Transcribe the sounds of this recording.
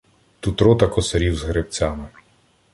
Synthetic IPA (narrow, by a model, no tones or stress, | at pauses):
t̪ut̪ɾɔt̪ɐkɔsɐɾʲiwzɦɾept͡sʲamɪ